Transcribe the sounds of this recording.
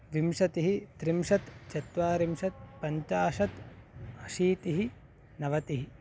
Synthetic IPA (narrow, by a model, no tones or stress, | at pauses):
ʋimʃɐt̪iɦit̪ɾimʃɐt̪t͡ʃɐt̪ʋaːɾimʂɐt̪̚pɐɲt͡ʃaːʃɐt̪ɐʃiːt̪iɦi | nɐʋɐt̪iɦi